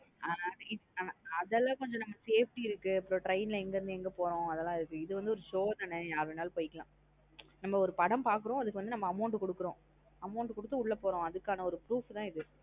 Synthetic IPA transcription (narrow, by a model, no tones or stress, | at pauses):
ʔaːnaːlɐɪaːnaɐðɛlːãːkɔɲd͡ʒɔ̃nɐmːɐseːfʈiɪɾɯkːɯɐpːɯɾõːʈɾɐɪnlɐɛŋɡɐɾɯnd̪ɯɛŋɡɐpoːɾõɐðɛlːãːɪɾɯkːɯɪðɯʋɐnd̪ɯɔɾɯʂoːðɐnɐjaːɾɐʋɪnaːlpoːjɪkːɐlãː | nɐmːɐɔɾɯpɐɽɐmpaːɾkɯɾõɐðɯkːɯʋɐnd̪ɯnɐmːɐːmɐʊɳʈɯkɔɽɯkːɯɾõː | ɐmɐʊɳʈkɔɽɯt̪ːɯʊɭːɐpoːɾõɐðɯkːaːnɐɔɾɯpɾuːft̪ãːɪðɯ